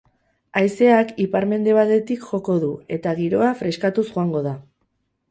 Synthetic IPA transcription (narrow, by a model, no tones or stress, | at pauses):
ajse̞akipaɾme̞nd̪e̞β̞at̪e̞t̪ikʝo̞ko̞ðue̞t̪aɣiɾo̞afɾe̞skat̪usʝoaŋɡo̞ða